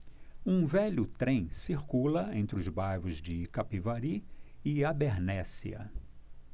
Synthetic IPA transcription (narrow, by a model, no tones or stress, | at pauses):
ũvɛʎʊt̪ɾẽj̃siɾkulɐẽnt̪ɾɪʊzbajvʊzd͡ʒɪkapivaɾiɪabeɾnɛsḭɐ̰